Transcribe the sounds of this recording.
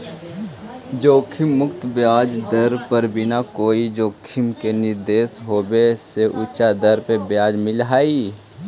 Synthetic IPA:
d͡ʒoːkʰɪmːʊkt̪bjaːd͡ʒd̪əɾpəɾbʱɪnakoːid͡ʒoːkʰɪmkenɪɾd̪eːsɦoːbeseʔʊt͡ʃad̪əɾpebjaːd͡ʒmɪlɦaːiː

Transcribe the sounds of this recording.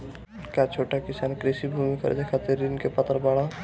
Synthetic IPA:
kat͡ʃʰoːʈakisaːnkɾesibʱumikə̰ɾ̰d͡ʒakʰat̪iɾːinkepət̪ɾbaɽa

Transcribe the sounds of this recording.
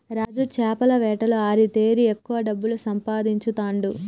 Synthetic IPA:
ɾaːd͡ʒut͡ʃɛːpɐlɐʋɛːʈɐlo̞ːaːɾit̪e̞ːɾiekːuʋɐɖɐbːulusɐmpaːd̪iɲt͡ʃut̪aːɳɖu

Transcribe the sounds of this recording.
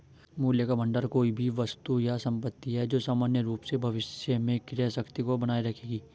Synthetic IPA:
muːljəkabɐ̃ɳɖəɾkoːibʱiʋɐst̪ujasɐ̃mpət̪ːiɦɛd͡ʒoːsaːmaːnjəɾuːpsebʱɐʋɪsjəmẽkɪɾesɐkt̪ikobɐnaːiɾɐkʰeːɡiː

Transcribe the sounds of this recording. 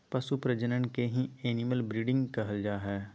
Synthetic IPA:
pɐsupɾəd͡ʒənənkeɦĩeːniməlbɾiːɖɪ̃ŋɡkɐɦəld͡ʒaːɦɛː

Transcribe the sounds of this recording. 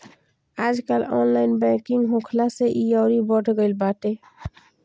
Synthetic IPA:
ad͡ʒkalɔ̰nlainbɛ̃kiŋɡɦõkʰlaseʔiɔʊɾibəʈʰɡəlbaʈ̪e

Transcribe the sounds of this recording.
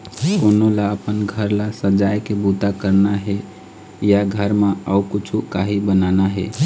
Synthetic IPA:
konolaəpənɡʱəɾlasəd͡ʒajkebut̪akəɾnaɦe | jaɡʱəɾmeəukut͡ʃʰukaɦibənanaɦḛ

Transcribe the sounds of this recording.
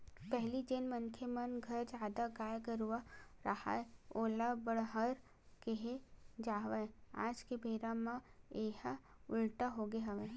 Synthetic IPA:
pɛɦlid͡ʒɪnmənkʰemənɡʱɐɾd͡ʒaːd̪aɡaːjkəɾuaɾəha̰eoːlabəɽɦəɾ | keɦed͡ʒaːʋaea̰ːd͡ʒkebʱeːɾamãeːɦaʊlʈaɦoɡeɦɐʋe

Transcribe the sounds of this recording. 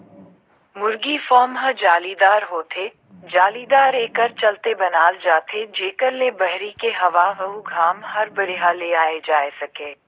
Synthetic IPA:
mʊɾɡifɔːmɦɐd͡ʒaːlid̪aːɾɦoːt̪ʰe | d͡ʒaːlid̪aːɾeːkəɾt͡ʃɐlt̪ebɐnaːld͡ʒaːt̪ʰed͡ʒeːkəɾlebɐɦɾikeɦɐʋaʋɐɦuɡʱaːmhɐɾbɐɽeɦaleaːed͡ʒaːesɐkeː

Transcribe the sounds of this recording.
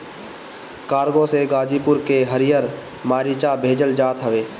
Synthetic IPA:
kaːɾɡõseɡaːd͡ʒiːpʊɾkeɦəɾɪjəɾ | maːɾit͡ʃabʱeːd͡ʒəld͡ʒaːt̪ɦəʋeː

